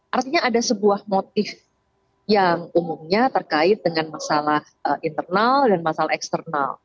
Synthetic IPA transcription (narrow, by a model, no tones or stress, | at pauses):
ʔart̪iɲaaːdasəbuahmot̪̚ɪf | jaŋumumɲat̪ərkaɪt̪̚dəŋanmasalah | əint̪ərnaldanmasalahɛkst̪ərna̰l